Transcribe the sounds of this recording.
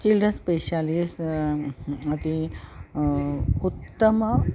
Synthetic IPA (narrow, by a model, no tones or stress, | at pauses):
t͡ɕilɖənspeɕalis | ɐt̪i | ut̪ːəmə